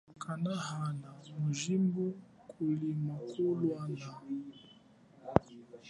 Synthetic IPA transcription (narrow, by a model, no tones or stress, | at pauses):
kanahanamuʒimbu | kʰulimakʰulwana